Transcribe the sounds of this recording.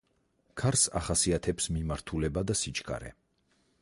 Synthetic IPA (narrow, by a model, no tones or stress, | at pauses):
kʰaɾsa̰χasiat̪ʰɛpsmimaɾt̪ʰulɛbad̪asit͡ʃʰʼɡa̰ɾɛ̰